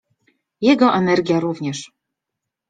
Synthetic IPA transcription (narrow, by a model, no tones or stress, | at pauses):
jɛɡɔʔɛnɛɾɡʲjaɾuvɲɛʂ